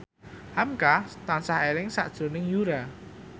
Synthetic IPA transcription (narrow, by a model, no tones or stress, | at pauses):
hamkat̪ansahelɪŋsa̰ʔd̥ʒ̥o̤nɪŋjuɾa